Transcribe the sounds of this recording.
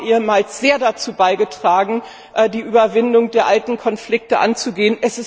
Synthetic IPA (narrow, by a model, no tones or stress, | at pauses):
ʔiːəmaːlsz̥eːɐdat͡suːbaɪɡətʁ̥aːɡŋ̩ | ʔɛːdiːʔyːbɐvɪndʊŋdeːɐʔaltn̩kʰɔnflɪk̚təʔa̰nt͡suɡeːənʔɛsɪs